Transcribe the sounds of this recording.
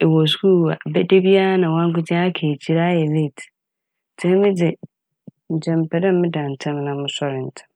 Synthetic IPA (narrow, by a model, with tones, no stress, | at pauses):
ɛ˨wɔ˨s̬kʰu˦˨a˨bɛ˦de˦bi˦a˦nã˨wã˦ŋ˦kʊ˦tʰɪ̃˦a˦kʰeː˨t͡ɕʰi˦ɾa˦jɛ˨le˦˨tʰ | tʰɛ̃˦mɪ̃˦dɪ˨ | ɲ̩˨t͡ɕʰɛ̃˨mpʰɛ˨dɛ̃˦m˦mɪ̃˦dã˨n̩˨tʰɛ̃˦m˦nã˦mʊ̃˦sɔ˦ɾɪ̃˨n̩˨tʰɛ̥̃˦m